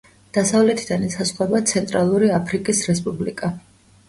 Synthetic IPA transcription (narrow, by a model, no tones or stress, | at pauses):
d̪̥asavlɛt̪ʰid̪anɛsasχwɛbat̪sʰɛnt̪ʼɾalˠuɾiapʰɾikʼisɾɛspʼublḭkʼa